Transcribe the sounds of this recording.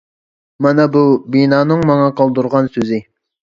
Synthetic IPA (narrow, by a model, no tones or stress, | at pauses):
mɑnɛbubinɑːnɨŋmɑŋɑqʰɑlˠd̪uɾʁɑnsøzɪ